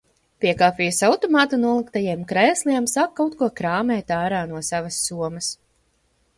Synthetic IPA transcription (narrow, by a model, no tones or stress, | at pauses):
piɛkaːpʲijusawt̪ɔmaːt̪unuɔlˠikt̪ajiɛmkɾɛjsliɛmsakːawt̪̚kuɔkɾaːmɛːt̪aːɾaːnuɔsavɐsːuɔmɐs